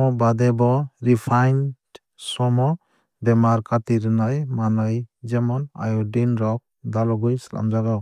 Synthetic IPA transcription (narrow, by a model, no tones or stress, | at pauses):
ɔbad̪ɛbɔɾipʰajnd | sɔmɔ | dɛmaɾkʰatiɾnajmanajd͡ʒɛmɔna̰jɔdinɾɔk̚ | d̪alɔɡujsla̰md͡ʒaɡaw